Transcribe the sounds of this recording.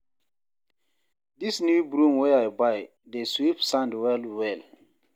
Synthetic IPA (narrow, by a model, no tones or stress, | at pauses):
disnjubɹũmwɛajbaj | deswifsãndwɛlwɛl